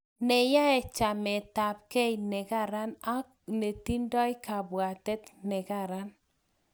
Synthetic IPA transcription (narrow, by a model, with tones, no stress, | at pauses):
nɛ˨ja˦ɛ˨t͡ʃa˨mɛ˨ta˨p̚ke˦inɛ˨ɡa˦˨ɾa˦na˦kne˨ti˦ndɔ˦ɪ˦ka˨bwa˨tɛ˦t̪nɛ˨ɡa˨ɾa˦n